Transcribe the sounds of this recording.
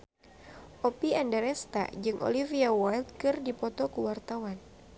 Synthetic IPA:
ʔopiandɛɾɛst̪a̰d͡ʒɨŋʔo̰liviawajlt̪̚kɨrdipɔt̪ɔkuwart̪awan

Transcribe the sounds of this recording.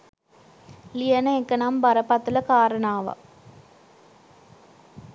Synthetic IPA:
lijɐnɐeŋkɐnambɐɾɐpɐt̪ːɯlɐkaːɾɐɳaːʋɐ̰

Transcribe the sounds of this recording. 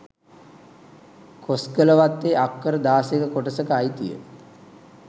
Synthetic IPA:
kʰoskələʋat̪ːeakːəɾəd̪aːsekəkoʈəsəkəːjt̪ijə̰

